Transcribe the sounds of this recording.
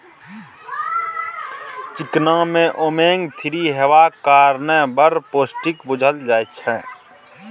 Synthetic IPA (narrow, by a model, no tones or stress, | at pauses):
t͡ʃɪknãːmẽʔoːmeːŋɡt̪ʰɪɾiɦewaːkaːɾnɛbəɾpoːsʈɪkbʊd͡ʒʱəld͡ʒaːjt͡ʃʰɛː